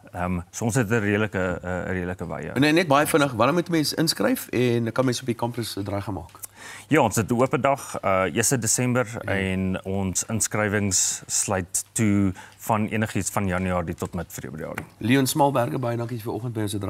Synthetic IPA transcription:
əmsuəɔ̃nsɛttəriələkəə̰riəɾləkəvɐ̰jə̰nənɛt̚bɐjəfənəχvɐɾəmutmẽnsə̰nskrəjfɛnəkːɐnmɛ̃nsopikɐmprəsədɾɐjχɐnmɑ̰ːkjɑːɔnsət̚əuəpədɐχəiəstədesɛmbərɛnɔnsənskrəjvəŋsːlɐjtːufɐniənəχisfɐnjɐnyɑːɾitɔtmətfrḭəbɾiɑ̰ːrḭliɔnsmɐlˠbærɡəbɐjədɐŋkisfəɾɔχənt̚bəjɔ̃nsədr

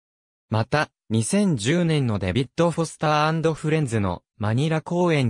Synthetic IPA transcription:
mat̪a | ɲ̟isẽ̞ɲ̟d͡ʑɨːnẽ̞nːo̞d̪ebʲit̪ːo̞ɸo̞sɨ̥t̪aːãnd̪o̞ɸɯ̟ɾẽ̞nzɨno̞̰ | maɲ̟iɾako̞ːẽ̞ɲ̟

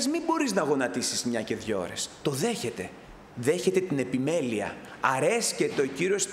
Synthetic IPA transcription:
zmibo̞ɾiznɐɣo̞nɐt̪isizmɲɐce̞ðʝo̞̰ɾe̞̰st̪o̞ðe̞çe̞t̪e̞ | ðe̞çe̞t̪e̞t̪ine̞pime̞liɐ̰ | ɐɾe̞sce̞t̪e̞o̞ciɾio̞s

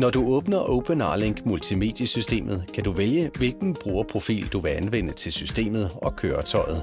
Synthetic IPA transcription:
nɒduɔ̽ːb̥nɐʔɔʊb̥ʰənɑ̰ːleŋɡ̥mult͡sʰime̝̰ːd̥jəsysd̥e̝̰ːmʔð̞̩ˠkʰæduʋeljəʋe̝lɡ̥n̩b̥ʁuːɐpʰʁo̝fḭːld̥uʋe̝ænʋen̰ət͡sʰe̝lsysd̥e̝̰ːmð̞̩ˠɒ̽kʰøːɐt͡sʰɒ̽ɪð̞̩ˠ

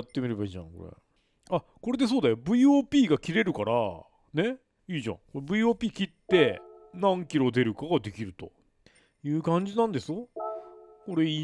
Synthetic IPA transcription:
t̪ːe̞mʲiɾe̞baiːʑã̰ŋko̞̰ɾḛ | ako̞ɾe̞d̪e̞s̬o̞ːd̪ajo̞bɯ̟ioːpʲiːɡakʲiɾe̞ɾɯ̟kaɾa̰ | ne̞ | iːʑã̰ŋko̞ɾebɯ̟ioːpʲiːkʲit̪ːe̞nãŋkʲiɾo̞d̪e̞ɾɯ̟kaɡad̪e̞kʲiɾɯ̟t̪o̞̰ | jɯ̟ːkãɲ̟d͡ʑinãnd̪e̞sɨjo̞ | ko̞ɾe̞i

